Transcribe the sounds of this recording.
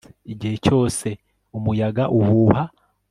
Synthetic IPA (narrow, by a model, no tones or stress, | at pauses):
iɟihe̞co̞ːse̞ | umujaɡaʔuhuːha